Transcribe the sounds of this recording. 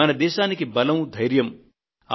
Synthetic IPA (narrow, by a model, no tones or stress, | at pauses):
anɐd̪eːsaːnikebɐlɐw̃d̪ʱɐjɾjɐm | a